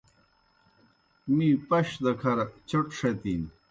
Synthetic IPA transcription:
mipɐɕd̪ɐkʰɐɾt͡ɕɐʈʂɐt̪in

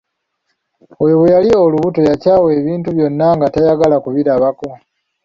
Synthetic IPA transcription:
ojo̞βwejalioluβuto̞jacaːweβiːntuβjo̞nːaŋɡatajaɡalakuβiɾaβako̞

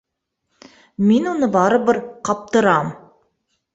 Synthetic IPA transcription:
menwonəbɑɾəbɪɾqʰɑp̚t̪əɾɑm

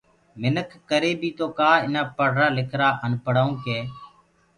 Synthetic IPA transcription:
mɪnəkʰːəɾeːbʱiːt̪oːkaːɪnaːpəɽ̤ɾaːlɪkʰɾaːʔənpəɽ̤aːũːkeː

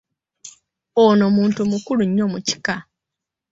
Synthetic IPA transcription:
onomuːntumukuluɲːo̞muci̥ka

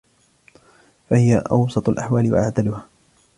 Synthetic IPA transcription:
fahɪjaʔɑ̰wsˤɑt̪ˤʊlʔaħwaːlɪwa̰ʔaʕd̪alʊhaː

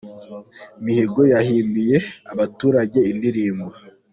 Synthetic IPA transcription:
imiheɡo̞jahiːmbije̞aβatuːɾaɟe̞indiɾiːmɡa

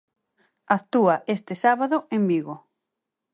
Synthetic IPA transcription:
akt̪uaʔest̪esaβaðoembiɣo

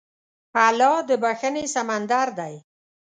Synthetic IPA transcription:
palɑd̪əbaxənesamand̪aɾd̪aj

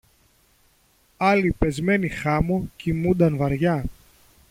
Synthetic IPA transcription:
ɐlipe̞zme̞nixɐmucimund̪ɐnvɐɾʝɐ

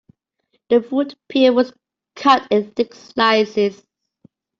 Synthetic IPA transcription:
ðəfudpʰɪəwɔz̥ | kʰʌtɪ̃nθɪkslaɪzɪz̥

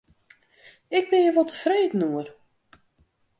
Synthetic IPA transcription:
ɪk̚bɪnjəʋɔlˠtəv̥reːdən̩uər

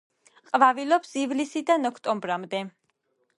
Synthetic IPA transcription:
qʼvavilɔpsivlisid̪anɔkʰt̪ʼɔmbɾamd̪ɛ

